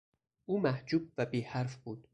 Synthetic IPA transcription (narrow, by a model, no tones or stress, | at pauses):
ʔuːmæhd͡ʒuːb̚væbiːhæɾfbuːd̪̥